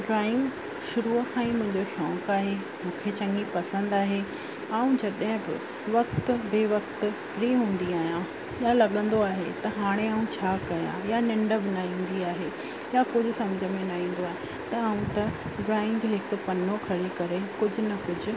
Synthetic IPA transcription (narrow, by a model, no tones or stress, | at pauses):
ɖɾaːɪ̃ŋɡ | ʃʊɾuɛ̃ːmʊ̃ɦɪ̃ɲd͡ʑoxjɔ̃ːkaːɦe | mũːkʰet͡ɕɐ̃ŋɡipɐsə̃nd̪aːɦe | aːũd͡ʑɐɗɦɪ̃bɪ̰ | ʋɐkt̪beʋɐk̚t̪fɾiːɦũːn̆d̪iaːɦijã | iãlɐɠə̃nd̪oaːɦet̪ɐɦaːɽ̃eaːũt͡ɕʰaːkɐjã̰janɪ̃ɳɖəbɪnaɦĩːn̆d̪iaːɦe | jakʊd͡ʑʱʊ̆sɐmd͡ʑʱəmẽnaɦĩːn̆d̪oaːɦe | t̪ɐaːũt̪ɐ | ɖɾaːɪ̃ŋɡd͡ʑoɦɪkʊpɐnokʰɐɽekɐɾekʊd͡ʑʱʊ̆nɐkʊd͡ʑʱʊ̆